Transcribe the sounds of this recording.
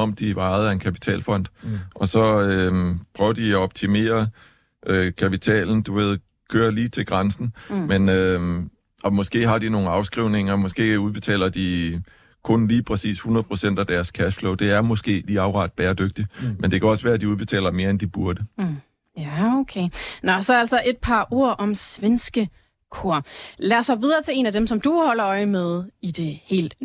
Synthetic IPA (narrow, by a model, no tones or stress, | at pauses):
ɒ̽md̥iʋɑ̈ɪð̩ˠæe̝nkʰæpi̥t͡sʰɛ̰ːlfɒ̽n̰d̥ʔɒ̽sɒ̽øpʰʁœʊɐd̥iɒɒ̽b̥̚t͡sʰime̝̰ːɐ | ʔøkʰæpit͡sʰɛ̰ːln̩d̥uʋe̝ð̞̰ˠ | kʰøːɐliːt͡sʰe̝lɡ̥ʁansn̩menø | ɒ̽mɒ̽sɡ̥e̝̰ːɦɑ̈d̥ino̝ːn̩ɑ̈ʊsɡ̥ʁiʊne̝ŋɐmɒ̽sɡ̥e̝̰ːuðˠb̥e̝t͡sʰɛ̰ːlɐd̥i | kʰɔ̽nliːpʰʁɛsḭːshunɐð̩ˠpʰʁo̝sen̰d̥æd̥æɐskʰæʃflɔʊd̥e̝æɐmɔ̽sɡ̥e̝̰ːliːɑ̈ʊʁɑ̰̈ːd̥̚b̥ɛːɐd̥øɡ̥̚d̥imend̥e̝kʰæɒ̽sʋæːɐæd̥iuðˠb̥e̝t͡sʰɛ̰ːlɐme̝ːɐend̥ib̥uɐd̥ə | jæokʰenɒ̽sɒ̽ælsɒʔe̝d̥̚pʰɑ̈ʔo̝ɐ̰ʔɒ̽msʋensɡ̥ə | kʰo̝ɐ̰læːɐshɒ̽ʋiːð̞ˠɐt͡sʰe̝e̝̰ːnæd̥emsɒ̽md̥uhɒ̽lɐɒ̽ɪmeð̞ˠid̥e̝he̝̰ːld̥